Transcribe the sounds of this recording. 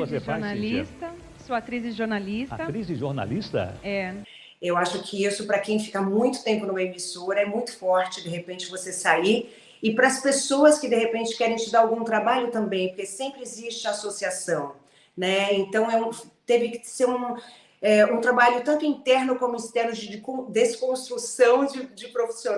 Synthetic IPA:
vosefanalist̪ɐ | soat̪ɾizɪʒoɾnalisa̰t̪ɐt̪ɾizɪʒoɾna̰list̪ɐ̰ɛ | ewaʃʊkʰɪisʊpɾɐkẽj̃fi̥kamũj̃t̪ʊ̥t̪ẽmpʊnũmɐemisoɾɐɛmũj̃t̪ʊ̥fɔɾt͡ʃɪd̪eɦepẽnt͡ʃɪvosesaiɾ | ɪpɾɐspesoɐskɪd̪eɦepẽnt͡ʃɪ̥kɛɾẽj̃t͡ʃɪd̪aɾawɡũt̪ɾabaʎʊt̪ɐ̃mbẽj̃poɾkesẽmpɾɪezist͡ʃɪasosiasɐ̃w̃ | nɛẽnt̪ɐ̃w̃ɛũft̪evɪkɪ̥seɾũ | ɛũt̪ɾabaʎʊt̪ɐ̃nt̪ʊĩt̪ɛɾnʊkõmʊist̪ɛɾnʊd͡ʒɪd͡ʒɪkõd̪eskõst̪ɾusɐ̃w̃d͡ʒɪd͡ʒɪpɾofi̥sõ

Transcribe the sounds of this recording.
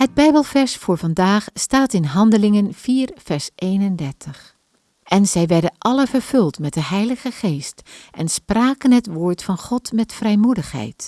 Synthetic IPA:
ɦəd̚bɛjbəlˠvɛɹsfʊːɹvɑndaːχstaːtɪnɦɑndəlɪŋənv̥iːɹv̥ɛɹsʔejnəndɛɹtʰəχ | ʔɛnzɛjʋɛɹdənʔɑləvəɹvɵlˠtmɛt̚dəɦɛjləχəχejstʔɛnspraːkənɦətʋoːɹtfɑnχɔtmɛtfrɛjmudəχɦɛ̰jt

